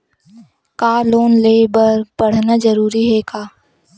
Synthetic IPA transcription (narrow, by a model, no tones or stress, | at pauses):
kaːloːnleːbəɾpɐɽ̤nad͡ʒəɾuːɾiɦɛkaː